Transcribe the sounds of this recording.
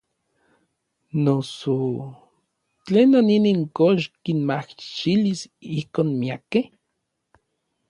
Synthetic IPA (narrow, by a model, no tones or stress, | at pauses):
noso | t͡ɬeːnaniniŋkoʃkinmaht͡ʃilisihkoːnmiakeh